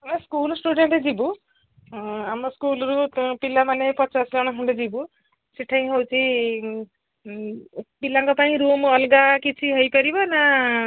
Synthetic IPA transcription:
nskulsʈuɖeɳʈed͡zibu | amɔskulɾupilːamanepʌt͡saslɔɽ̃akʰuɳɖed͡zibu | siʈʰaj̃ɦowt͡sʰi | pilaŋkɔpaĩɾumʌlɡakit͡sʰiɦʌjpʌɾibʌna

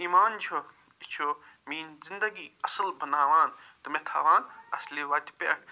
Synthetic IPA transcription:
iːmaːnt͡ʃʰo | it͡ʃʰo | miːnzind̪ɐɡiːɐsəlbɐnaːʋaːnt̪ɨmẽt̪ʰa̰ːʋaːnɐsliʋaːt̪ʲpʲḛːk̚ʰ

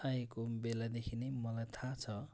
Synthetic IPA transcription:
ajekobelad̪ekʰinemʌlajt̪ʰat͡sʰʌ

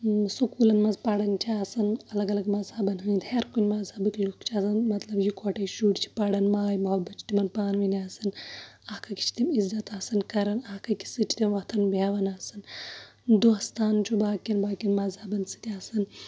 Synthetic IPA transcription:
sukuːlɐnmɐzpɐɽɐnt͡ʃʰiaːsɐnɐlɐɡɐlɐɡmɐzhɐbɐnɦɨ̃d̪heɾkunʲmɐzɐbɨklukt͡ʃʰasɐnmɐt̪lɐbjikʰoʈejʃuːʈt͡ʃʰi̥pɐɽɐnmaːjmɐwbɐt͡ʃʈimɐnpaːnʋiniaːsɨn | ɐkʰɐki̥t͡ʃʰi̥t̪imizːɐt̪aːsɐnkɐɾɐnɐhkɐki̥sɨt͡ʃʰi̥t̪imʋɐt̪ʰɐnbaːʋɐnaːsɨn | d̪uɐst̪ʰaːnt͡ʃʰubaːkʲɐnbaːkinmɐzhɐbɐnsɨt̪ʲiaːsɐn

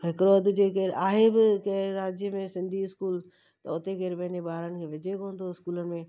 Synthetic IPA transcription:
ɦɪkɾoːd̪d͡ʑeːk̬eɾʔaːɦebɪkeɾɾaːd͡ʒjəmẽsɪ̃nd̪ʱiɪskuːl | t̪ɐʊt̪ekeɾpɐnebaːɾənɪ̆kʰeʋɪd͡ʒekõːnd̪oɪskuːləmẽː

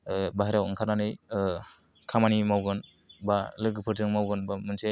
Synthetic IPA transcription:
baɦaɾawɯŋkʰaɾnanɯj | kʰamanimawɡɯn | balɯɡɯpʰɯɾtɯŋmawɡɯnbamɯnse

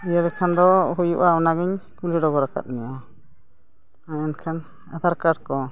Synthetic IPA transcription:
ijad̪ɛkʰand̪ɔɦujuʔawnaɡiɲkuliɖɔɡɔɾaka̰t̪̚mia | aɛnkʰan | a̰t̪aɾkaɽkɔ

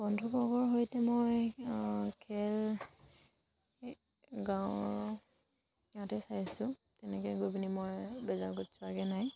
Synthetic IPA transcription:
b̥ɔndʱubɔɡɔɹɦojtɛmoj | kʰɛl | ɡãw | jãtɛsajasʊ̃tɛnɛkɔjɡojbinimojbɛzaɹɡotsʊaɡɛnaj

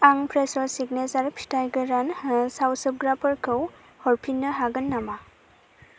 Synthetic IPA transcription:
aŋpʰɾesɔsik̚nezaɾpʰi̥tajɡɯɾanhsawsɯp̚ɡɾapʰɔɾkʰɯw | hɔɹpʰinːɯɦaɡɯnːama

